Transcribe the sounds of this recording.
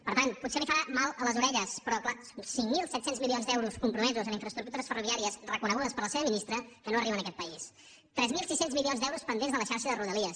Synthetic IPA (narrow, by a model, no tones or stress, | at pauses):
pəɾt̪anput̪selifəɾamalˠələzuɾɛʎəspəɾɔkla | siŋmilˠsɛt̪senzmilˠionzd̪ɛwɾuskumpɾumɛzuzəniɱfɾəst̪ɾuk̚t̪uɾəsfəruβiaɾiəsrəkunəɣuðəspəɾləseβəminist̪ɾəkənoəriβənəkɛt̪pəis | t̪ɾɛzmilˠsisenzmilionzd̪ɛwɾuspənd̪enzðələʃaɾʃəðəruðəliəs